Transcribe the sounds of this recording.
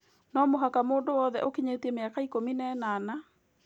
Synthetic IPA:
nɔmoɦakamoːndowɔðɛʔokiɲetiɛmeakaikominɛnana

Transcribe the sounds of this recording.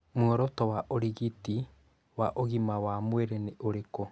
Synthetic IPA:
muɔɾɔtɔwaʔoɾiɣiti | waʔoɣimawamwɛɾɛneʔoɾekɔ

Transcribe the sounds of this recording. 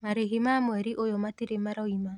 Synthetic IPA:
maɾeɦimamwɛɾiʔojɔmateɾemaɾɔima

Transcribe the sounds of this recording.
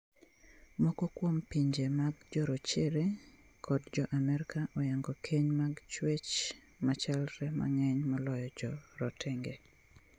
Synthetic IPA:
mɔkɔkwompiɲd͡ʒemaɡd͡ʒɔɾɔt͡ʃeɾe | kʰɔdd͡ʒɔʔamɛɾkaʔɔjaŋɡɔkʰeɲmaɡt͡ʃwet͡ʃ | mat͡ʃalɾɛma̰ŋɛɲmɔlɔjɔd͡ʒɔɾɔtʰɛŋɡe

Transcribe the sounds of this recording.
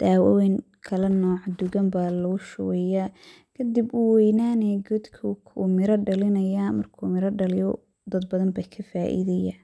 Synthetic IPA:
d̪̥aːwɐ̰wɛŋ | kʰɐlɐnɔːʕd̪ʊɣɐmbaːlɔɡʊʃʊwɛjaː | kʰɐd̪ibʊwɛjnaːnɛːɡɔd̪kʰukʰumɪɾɐɖɐlɪnɐjaːmɐrkʰṵːmɪɾɐɖɐlɪjɔ | d̪ɐd̪bɐðɐmbɐkʰɐfaːʔḭðɐja

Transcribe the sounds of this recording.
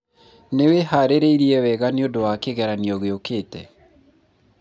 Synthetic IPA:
newehaɾeɾeiɾiɛwɛɣaneodowakeɣɛɾaniɔɣeokeːtɛ

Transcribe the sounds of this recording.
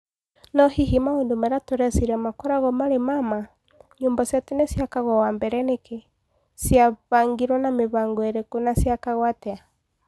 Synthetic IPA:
nɔhiɦimaondomɛɾatoɾɛsiɾamakɔɾaɣɔmaɾemama | ɲuːmbasatenesjakaɣwɔwambɛɾɛneke | sjaβaŋɡiɾwɔnameβaŋɡɔeɾekonasjakaɣwatɛa

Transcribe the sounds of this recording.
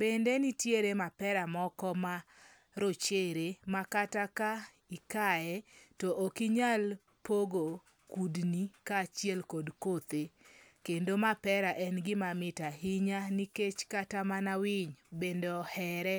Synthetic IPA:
b̥endenitjeɾemapɛɾamɔkɔma | ɾot͡ʃeɾemakataka | ikaɛtɔʔokiɲal | poɡo | kudnikaːt͡ʃijɛlkodkot̪ekendomapɛɾaʔɛnɡɪmamɪtaɦiɲaniket͡ʃkatamanawɪɲbendohɛɾɛ

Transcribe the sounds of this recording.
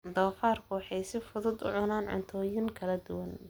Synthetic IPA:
d̪ɔːfaːrkʰʊwɑħɑjsɪfʊðʊd̪ʊ̰ʕʊnaːnʕʊ̰nt̪ʰɔːjɪŋkʰɐlɐd̪ʊwɐn

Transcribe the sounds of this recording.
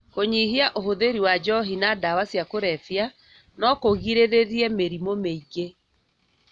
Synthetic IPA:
koɲihiaʔoɦoðeɾiwad͡ʒɔɦinadawasjakoɾɛfja | nɔkoɣiɾeɾeɾiɛmeɾimomeiɣe

